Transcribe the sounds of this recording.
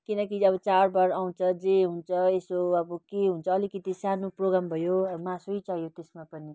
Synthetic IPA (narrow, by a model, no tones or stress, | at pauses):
kinʌkiʌbʌt͡sarbaɾaw̃t͡sʰʌd͡zeɦunt͡sʰʌesoʌbʌkeɦunt͡sʰʌːlikʌt̪isanoproɡambʱʌjomãsoit͡saɦjot̪esmapʌni